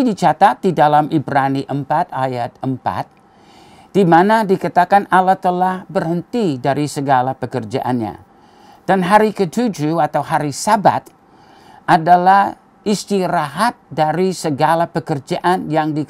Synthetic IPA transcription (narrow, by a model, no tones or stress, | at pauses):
idit͡ʃat̪at̪̚didalamʔibɾaniʔəmpat̪ajat̪̚əmpa̰t̪̚ | d̥imanadikat̪akanalat̪əlahbərhənt̪idaɾisəɡalapəkərd͡ʒa̰ʔa̰nɲa̰ | d̥anɦaɾikət̪ud͡ʒuat̪awɦaɾisaba̰t̪̚ | adalah | ist̪iɾaɦat̪̚daɾisəɡalapəkərd͡ʒaʔanjaŋdik